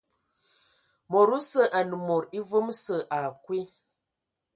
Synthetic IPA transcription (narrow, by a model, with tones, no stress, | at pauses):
mo˨ɾu˦sə˦˨ʔa˨nə˨mo˨ɾi˦və˦msə˨ʔa˨kwi˦